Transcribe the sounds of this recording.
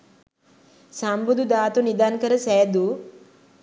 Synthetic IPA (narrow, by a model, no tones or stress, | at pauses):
sambud̪ud̪aːt̪unid̪ankəɾəsɛːd̪uː